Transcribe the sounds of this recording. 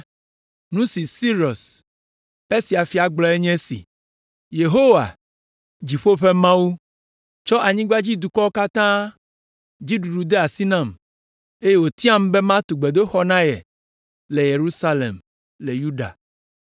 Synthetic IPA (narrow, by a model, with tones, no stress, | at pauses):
nũ˦si˨si˦ɾɔ˨s | e˦si˨a˨fi˨a˨ɡ͡blɔ˨e˦ɲɛ̃˦sḭ˨ | je˨ɦo˦wa̰˨ | d͡ʒi˨ɸo˦ɸe˦mã˦wu˦ | t͡ʃɔ˦ʔa˨ɲĩ˦ɡ͡ba˦d͡ʑi˦d̪u˨kɔ˦ka˦t̪ã˦ | d͡ʑi˦ɖu˨ɖu˨d̪e˦a˨si˦nã˦˨m | e˦je˦wo˨t̪i˦ã˦m˦be˦mã˦t̪u˨ɡ͡be˨d̪o˦xɔ˦nã˦jɛ̰˨ | le˨je˨ɾu˦sa˦lḛ˨m | le˨ju˦ɖa̰˨